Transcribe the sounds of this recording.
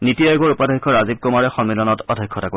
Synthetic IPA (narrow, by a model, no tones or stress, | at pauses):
nitijajɡɔɹupadʱɔjkʰːɔɹazib̚kɔmaɹɛxɔmːilɔnɔtɔdʱɔjkʰːɔtako